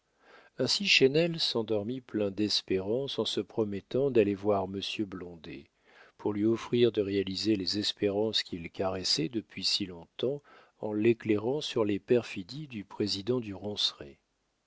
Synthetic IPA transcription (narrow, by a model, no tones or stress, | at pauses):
ɛ̃siʃenɛlsɑ̃d̪ɔʁmiplɛ̃d̪ɛspeʁɑ̃sɑ̃səpχɔmɛt̪ɑ̃d̪alevwaʁməsjøblɔ̃d̪ḛ | puʁlɥiɔfχiʁd̪əʁealizelezɛspeʁɑ̃skʲʰilkaʁɛsɛd̪əpɥisilɔ̃t̪ɑ̃ | ɑ̃lekleʁɑ̃syʁlepɛʁfid̪id̪ypχezid̪ɑ̃d̪yʁɔ̃sʁḛ